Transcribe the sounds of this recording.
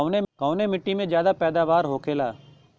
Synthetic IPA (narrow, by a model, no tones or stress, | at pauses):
ʋnekãʊnemɪʈːimẽd͡ʒjaːd̪apɛːd̪aːʋaːɾɦoːkʰeːlaː